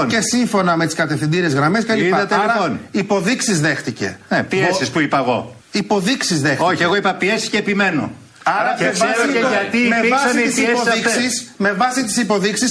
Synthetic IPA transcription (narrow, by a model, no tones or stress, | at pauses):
nce̞siɱfo̞nɐme̞t̪i̥skɐt̪e̞fθind̪iɾezɣɾɐme̞s̬celipɐðɐt̪eɾɐonipo̞ðiksizðe̞xt̪ice̞̰nepiesispuipɐɣo̰ | ipo̞ðiksizðexoçieɣoipɐpiesi̥ceːpime̞no̰ | ɐɾɐesoeɐt̪imevɐssit̪isipsoðiksisme̞vɐsit̪i̥sipo̞ðiksis